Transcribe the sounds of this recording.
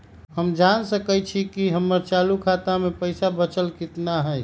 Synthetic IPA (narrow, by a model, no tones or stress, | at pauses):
həmd͡ʒansəkɛt͡ʃʰikiɦəmːəɾt͡ʃalukʰat̪amepəɪsabət͡ʃəlkɪt̪naɦəj